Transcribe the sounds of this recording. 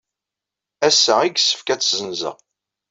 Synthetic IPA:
æsːæiɡsːə̥fkæt͡sːzənzə̰ʁ

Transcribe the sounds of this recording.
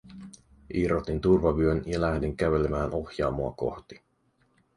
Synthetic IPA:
ʔirot̪int̪urʋɑʋyønjɑlæhdiŋkæʋe̞le̞mæːnʔo̞xjɑːmoɑko̞̰xt̪i̥

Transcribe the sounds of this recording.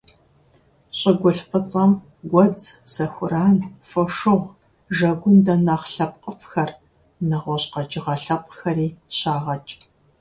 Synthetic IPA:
ɕʼɪɡʷʊɬfʼɨt͡sʼɐm | ɡʷɔd͡zz̥ɐxʷʊɾaːnfɐʂɨʁʷ | ʒɐɡʷʊndɐnaːχɬɐp̚qʼəfxɐr | nɐʁʷɔɕqɐd͡ʒʼɪʁɐɬɐpʼxɐriːɕaːʁɐt͡ʃʼ

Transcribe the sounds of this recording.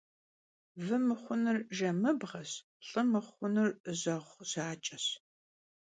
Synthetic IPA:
vɨmɨχʷʊnɨrʒɐmɨbʁɐɕ | ɬʼɨmɨχʷʊnɨrzɐʁʷz̥aːt͡ʃʼɐɕ

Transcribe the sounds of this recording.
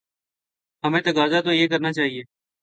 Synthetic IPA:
ɦəmẽːt̪əɡaːzaːt̪oːjeːk̬əɾnaːt͡ʃaːɦieː

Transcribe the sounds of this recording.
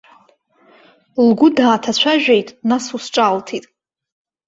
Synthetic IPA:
lɡʊdaːtʰat͡ɕʷʰaʒᶣejtʼnasusʈ͡ʂʼaltʰitʼ

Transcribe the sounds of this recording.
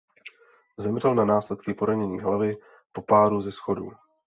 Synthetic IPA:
zɛmr̝ɛlnanaːslɛt̪kɪpoɾaɲɛɲiːɦlavɪ | po̞paːɾuzɛsxo̞dṵː

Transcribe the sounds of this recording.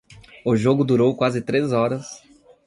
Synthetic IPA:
ʊʒoɡʊd̪uɾowkwazɪt̪ɾezɔɾɐs

